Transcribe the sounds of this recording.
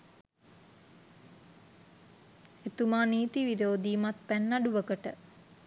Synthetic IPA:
et̪umaːniːt̪iʋiɾoːd̪iːmat̪̚pænːaɖuʋəkəʈə̰

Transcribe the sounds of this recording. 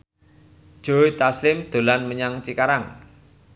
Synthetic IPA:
ʒ̥oit̪aslɪmd̪̥o̤lanməɲaŋt͡ʃikaɾaŋ

